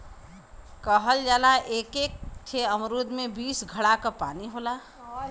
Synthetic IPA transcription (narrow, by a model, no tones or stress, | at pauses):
kəɦəld͡ʒaːlaʔeːkeːk̚t̪ʰeəmɾuːd̪mẽbiːsɡʱəɽakapaːniɦoːlaː